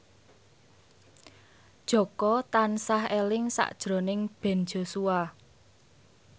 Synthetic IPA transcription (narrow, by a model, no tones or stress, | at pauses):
d̥ʒ̥ɔ̤kɔt̪ansahelɪŋsa̰ʔd̥ʒ̥ɾo̤nɪŋb̥ɛ̤nd͡ʒ̥o̤sua